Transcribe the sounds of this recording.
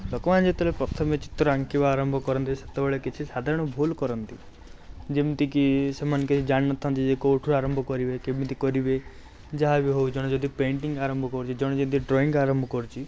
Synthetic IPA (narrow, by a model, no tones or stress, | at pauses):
lɔkɔʋand͡ʒet̪ɔlepɾɔt̪ʰɔmet͡ʃi̥t̪ɾɔaŋkibaːɾɔmbʱɔkɔɾɔnt̪iset̪ɔbɔɭekit͡ʃʰisad̪ʱaɾɔɽ̃ɔbʱulkɔɾɔnt̪i | d͡ʒibit̪ikisemanɔkit͡ʃʰid͡ʒaɽ̃inɔt̪ʰant̪id͡ʒekowʈʰuɾaɾɔmbʱɔkɔɾibekebint̪ikɔɾibe | d͡ʒaɦabiɦowd͡ʒɔɽ̃ɔd͡ʒɔd̪ipeɳʈiŋɡaɾɔmbʱɔkɔɾut͡ʃʰid͡ʒɔɽ̃d͡ʒimt̪iɖɾɔiŋɡaɾɔmbʱɔkɔɾut͡ʃʰi